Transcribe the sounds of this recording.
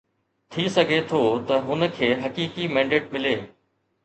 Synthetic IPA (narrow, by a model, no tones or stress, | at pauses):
t̪ʰisɐɡʱet̪ʰot̪ɐɦʊnə̆kʰeːɦɐkiːkimɛ̃ːɳɖeːʈ̚mɪleː